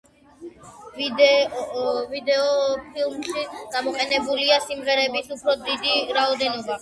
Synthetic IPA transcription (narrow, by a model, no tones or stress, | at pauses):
vd̪ | vid̪ɛɔpʰilˠmʃiɡ̥amɔqʼɛnɛbuliasimʁɛɾɛbisupʰɾɔd̪id̪iɾaɔd̪ɛnɔba